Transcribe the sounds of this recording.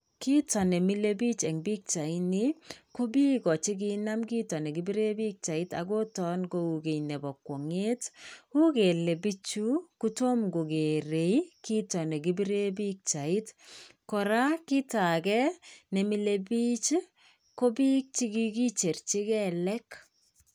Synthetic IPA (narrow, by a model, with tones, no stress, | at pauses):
ki˦tɔ˨nɛ˨mi˦le˦bi˦t͡ʃɛ˨ŋbi˦k̚t͡ʃa˨i˦ni˦ko˦bi˦kɔ˨t͡ʃi˦k̬i˦na˦mki˦tɔ˨ne˨ɡi˨bi˦ɾe˦bi˦k̚t͡ʃa˨i˦ta̰ɡo˦tɔ˦nko˨u˨ɡe˨jnɛ˨bɔ˨kwo˨ŋe˦tu˦ke˨le˨bi˦t͡ʃu˦ku˦to˦mɡo˨ɡe˨ɾe˨jki˦tɔ˨ne˨ɡi˦bi˦ɾe˦bi˦k̚t͡ʃa˨i˦tkɔ˨ɾa˦ki˦ta˨kɛ˦ne˨mi˨le˨bi˦t͡ʃ | ko˦bi˦k̚t͡ʃi˦ki˦ki˦t͡ʃe˨rt͡ʃi˦kɛ˦lɛ˦k